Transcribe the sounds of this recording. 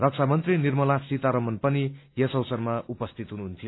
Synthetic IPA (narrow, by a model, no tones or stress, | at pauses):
rʌk̚t͡sʰamʌnt̪rinirmʌlasit̪aɾʌmʌnpʌnijʌsʌwsʌrmaupʌst̪ʰit̪ɦunuɦunt̪ʰijo